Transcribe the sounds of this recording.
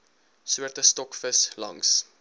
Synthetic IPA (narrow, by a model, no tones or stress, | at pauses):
suərtəstɔkfəslɐ̰ŋs